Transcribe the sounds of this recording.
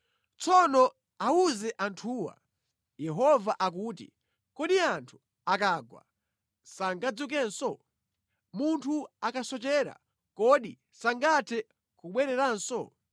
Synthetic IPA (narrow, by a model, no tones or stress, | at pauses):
t͡sɔnɔ | auzɛʔantʰuːwa̰ | jɛɦɔvaʔak̬uːtḭ | kɔɗiantʰu̥ | akaːɡwa̰ | saŋɡad͡zuk̬ɛnsɔ | muntʰuakasɔt͡ʃɛːɾa̰ | kɔɗi | saŋɡatʰɛ | kuɓwɛɾɛɾansɔ̰